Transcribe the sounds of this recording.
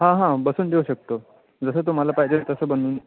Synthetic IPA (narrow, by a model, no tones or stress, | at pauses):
ɦãɦãbəsuːnɖ̪ʱeuɕək̚t̪o | d͡zəs̬ət̪̬um̤alapaɦid͡ʑet̪əsəːbənuːn